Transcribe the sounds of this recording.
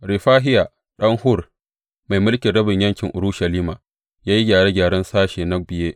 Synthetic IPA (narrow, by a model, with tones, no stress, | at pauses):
ɾɪ˨ɸaː˦ɦɪ˦ja˨ | ɗɐ˦ŋhʊ˦r | ma˨jmʊ˦lkʲɪ˨ɽɐ˦bɪ˨ɲjɐ˦ŋkʲɪ˨ŋʔʊ˨ɾu˦ʃɐ˨liː˦maː˨ | jaː˦ji˦ɡʲaː˨ɽeː˦ɡʲaː˨ɽɐ˦nsaː˦ʃeː˨nɐ˦bɪ˨jeː˦ʔ